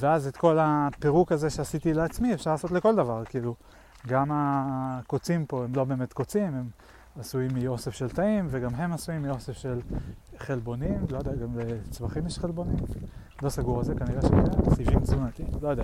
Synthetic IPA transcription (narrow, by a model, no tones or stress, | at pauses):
veazet̪ko̞lape̞ʁukaze̞ʃeasit̪ileat͡smiefʃaʁlaːso̞tleko̞ld̪avaʁkiilu | ɡamako̞t͡simpo̞emlo̞be̞ːme̞t̪ko̞t͡simhem | asuimːio̞sefʃe̞lt̪aimveɡamɦe̞masuimːio̞sefʃe̞lχe̞lbo̞nimlojod̪eaɡamlet͡svaχimjɛʃχelbo̞nim | lo̞saɡuʁazekaniʁeʃmiasivimzunat̪imlojod̪eaa